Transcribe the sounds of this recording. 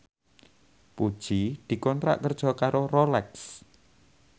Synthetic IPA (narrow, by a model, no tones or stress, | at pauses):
pud̥ʒ̥id̪̥i̤kɔnt̪ɾa̰ʔkərd̥ʒ̥ɔ̤kaɾorolɛks